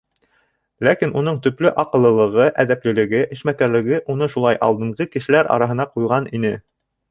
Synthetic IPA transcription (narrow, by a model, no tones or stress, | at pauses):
lækinun̪ɤɴt̪ɵ̆plɘʔɑqɤ̆lˠːɤ̆lˠɤ̆ʁɤʔæðæplɘ̆lɘ̆ɡɘʔɘ̆ʃmækæɾlɘ̆ɡɘʔunɤʃulˠɑjʔɑ̰lˠd̪ɤ̆ɴʁɤkɘ̆ʃɘ̆læɾɑ̰ɾɑɦɤ̆nɑqujʁɑninɘ